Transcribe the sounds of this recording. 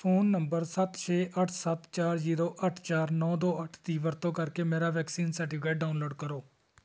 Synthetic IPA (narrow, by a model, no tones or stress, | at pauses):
pʰoːnːəmbəɾsət̪t͡ʃʰeːʔəʈʰsət̪t͡ʃaːɾziːɾoːʔəʈʰt͡ʃaːɾnɔːd̪oːəʈʰd̪iːʋəɾt̪õːkəɾkeːmeːɾaːʋɛːksiːnsɛːʈɪpkaːɖaːʊnloːɖkəɾoː